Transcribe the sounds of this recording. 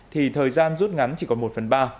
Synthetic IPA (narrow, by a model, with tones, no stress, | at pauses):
t̪ʰi˨˩t̪ʰəː˨˩jzaː˧nzu˦˥t̚ŋa˨˦nt͡ɕi˨˩kɔ˨˩nmo˨˩t̚fə˨˩nɓaː˧